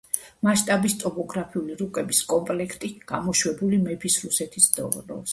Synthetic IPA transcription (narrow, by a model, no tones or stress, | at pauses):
maʃt̪ʼabist̪ʼɔpɔɡɾapʰiuliɾukʼɛbiskʼɔmpʼlɛkʰt̪ʼiɡ̥amɔʃwɛbulimɛpʰisɾusɛt̪ʰisd̪ɔ̰ɾɔ̰s